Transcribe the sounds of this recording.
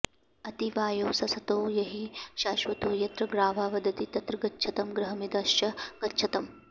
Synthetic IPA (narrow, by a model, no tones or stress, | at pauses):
ɐt̪iʋaːjoːsɐsɐt̪oːjɐɦiʃaːʃʋɐt̪uːjɐt̪ɾɐɡɾaːʋaːʋɐd̪ɐt̪it̪ɐt̪ɾɐɡɐtːt͡ʃʰɐt̪ɐmɡɾɐɦɐmid̪ɐʃjɐɡ̥ɐtːʃʰɐt̪ɐm